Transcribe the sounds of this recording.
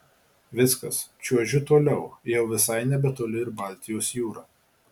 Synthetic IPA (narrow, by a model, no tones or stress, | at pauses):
ʋʲɪskɐst͡ʃʲuɔʒʲʊt̪oːlʲɛʊjɛʊʋʲɪsɐɪnʲɛbʲɛt̪oːlʲɪɪɾbɐˑlʲt̪ʲɪjoːsjuːɾɑː